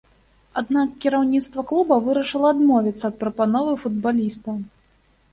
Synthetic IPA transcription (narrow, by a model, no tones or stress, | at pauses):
ad̪nakkʲiɾawnʲit̪st̪vɐklˠubɐvɨɾɐʂɨlˠɐːd̪mɔvʲit̪sːɐːt̪̚pɾɐpanɔvɨfud̪̚balʲist̪u